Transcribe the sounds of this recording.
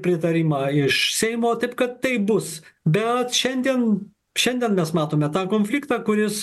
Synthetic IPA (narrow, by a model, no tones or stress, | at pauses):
pʲɾʲɪt̪ɐɾʲiːmɑːɪʃsʲɛɪmoːt̪ɐɪpkɐt̪t̪ːɐɪbʊsbʲɛt̪ʃʲɛnʲd̪ʲiɛn | ʃʲɛnʲd̪ʲiɛnmʲɛsmɑːt̪oːmʲɛt̪ɑːkoːnʲfʲlʲiːkt̪ɑːkʊɾʲɪs